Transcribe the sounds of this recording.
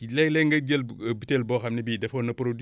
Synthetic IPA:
lɛlɛŋɡɐɟɐlbitelbɔxɐmnibiːdɛfonɐpɾod

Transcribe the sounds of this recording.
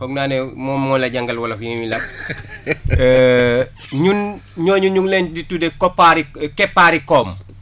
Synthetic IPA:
hɔɡnaːnemɔmmɔːnlɐɟaŋɡɐlwɐlɐfjimilɐ | ɲunɲɔːɲunɲuŋlenditudekopːaɾikɛpːaɾikɔːm

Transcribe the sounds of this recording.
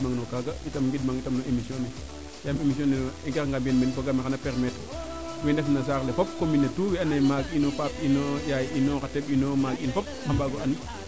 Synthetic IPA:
maŋnokaɡaitamŋɡidmaŋitamnoemisjone | jamemis̬ionenoeŋkekŋɡambenmenfoɡamixanapeɾmet | wendefmnas̬aːklefop̚kominːetuwianemaɡinofap̚inojajinokatebinomaɡinfɔp̚xambaɡoani

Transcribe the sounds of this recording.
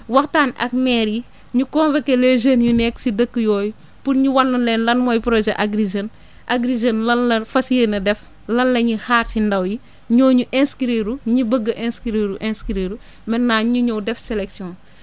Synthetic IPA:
wɐxtaːnɐ̰k̚mɛːɾji | ɲukɔːnvɐkːeleʒenjunɛksidəkːəjɔːju | punɲuwɐnːunlɛːnlɐnmɔjpɾɔʒɛʔaɡɾiʒɐn | ʔaɡɾiʒɐnlɐnlɐfɐsienɐdɛf | lɐnlɐɲihaːɾsindɐwji | ɲɔːɲuʔɛ̃nskiɾiːɾuɲibəɡːəʔɛ̃nskiɾiɾuʔɛ̃nskiɾiːɾu | mɛnːaːɲuɲowdɛfsɛlɛksjɔ̃ːn

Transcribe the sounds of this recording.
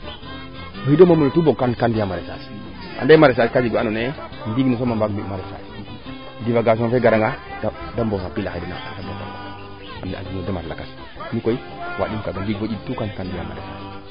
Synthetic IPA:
məidomamonotuboɡkankandijamaɾesas | a̰ndamaɾes̬askad͡ʒiɡʷanone | ndiɡnos̬omambaɡimaɾesa̰ | divaɡas̬onfeɡaɾaŋaddambosapilaadana̰a̰taboka̰na̰a̰ | a̰d͡ʒinodamalakas | mikoi | wa̰ɗimkaɡandiɡvod͡ʒidtukankandija̰ma̰ɾḛsa̰s

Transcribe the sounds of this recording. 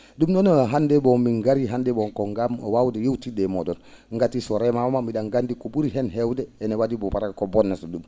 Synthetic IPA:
dumnɔnɔɦandɛbɔmiŋɡaɾiɦandɛbɔŋkɔŋɡamwawdɛjewtidɛmɔdɔnŋɡatisɔɾɛmamamamidaŋɡandikɔbuɾiɦɛnɦɛwdɛɛnɛwadibɔpaɾakɔbɔnːasɔdum

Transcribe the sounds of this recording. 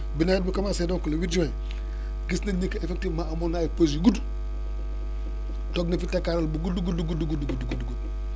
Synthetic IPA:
binaid̚bukamasedõŋkolowid͡ʒuẽ | ɡisnaɲikaefek̚tivmaʔamonajipos̬juɡudu | toɡnifitakaɾalbuɡuduɡuduɡuduɡudɡudɡuduɡud̚

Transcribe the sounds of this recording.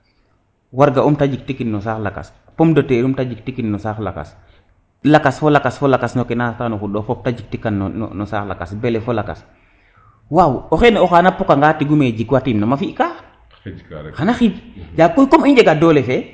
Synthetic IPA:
waɾɡaumtad͡ʒik̚tikinːɔsaxlaka̰s | pomdoteɾumtad͡ʒik̚tikinːɔsaxla̰ka̰s | lakasfolakasfolakasnokenatanoxudɔfɔp̚tad͡ʒik̚tikanːn̰nɔsaxla̰ka̰sbelefolaka̰s | wawoxeneɔxanapokaŋɡaːtiɡumed͡ʒikwatimnomafika | xanaxibd͡ʒaːkojkomiɲd͡ʒeɡadolefe

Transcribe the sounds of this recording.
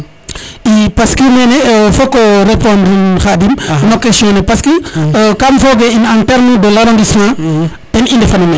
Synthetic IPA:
ipaskəmɛnɛfɔkːɔɾepɔ̃ndnxadimnɔkːɛsjɔ̃nɛpaskəkamfɔːɡɛinãntɛɾmdəlaɾõndismã | dɛnindɛfɐnɐmɛ

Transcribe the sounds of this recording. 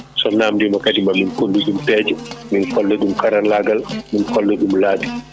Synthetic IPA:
sɔnaːmdimakadimaminkolːudumtɛːd͡ʒuminkɔlːɛdumkaɾalaɡalminkɔlːɛdumlaːdi

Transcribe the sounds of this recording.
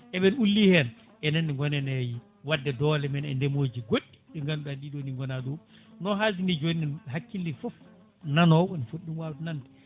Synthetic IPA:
ʔɛɓɛnulːihɛn | ʔɛnɛnːɛŋɡɔnɛnɛji | wadːɛdɔlɛmɛnɛ̰ndɛmoːd͡ʒiɡoɗːi̥ɗɛŋɡanɗaɗiɗoniŋɡɔnadɔ | nɔɦazinɛd͡ʒoniɛnɦakːilːifɔf | nanɔɓɔnifoɗunwawtɛnantɛ

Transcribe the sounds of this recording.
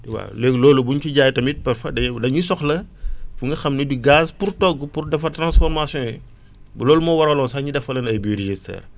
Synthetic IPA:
tiwa̰leɡlɔːlubuɲcuɟaːjtɐmit̚pɛɾfɐdɐdɐɲusɔxlɐfuŋɡɐxɐmnidiɡaːzpurtɔɡːupurdɛfɐtɾãnsfɔɾmasjɔ̃jɛ | bulɔːlumɔwɐɾɐlɔnsaɲidɛfɐlɐnɐjbuɾeʒistɛ̰ːr

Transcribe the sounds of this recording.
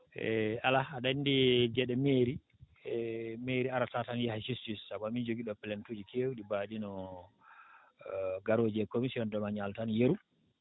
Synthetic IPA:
ɛʔalaaɗandid͡ʒɛɗɛmeɾi | meɾiaɾatatanjɛhasistisːabuamind͡ʒoɡiɗɔpɛlɛntud͡ʒikʰewuɗibadinɔ | ɡaɾoːd͡ʒɛkomisiɔndɔmaɲaltanjeɾu

